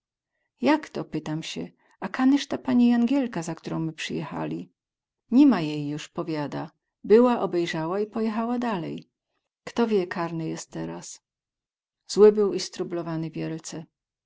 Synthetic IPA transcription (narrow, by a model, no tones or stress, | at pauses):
jakt̪ɔpɘt̪amɕɛ̰ | akanɘʂt̪apaɲijaŋɡʲjɛlkazakt̪uɾɔ̃w̃mɘpʂɘjɛ̰xa̰lʲi | ɲimajejːuʂpɔvʲjad̪a | bɘwaʔɔbɛjʐawaipɔjɛxawad̪alɛ̰j | kt̪ɔvʲjɛkʰaɾnɘjɛst̪̚t̪ːɛɾas | z̥wɘbɘwist̪ɾublɔvanɘvʲjɛlt̪sɛ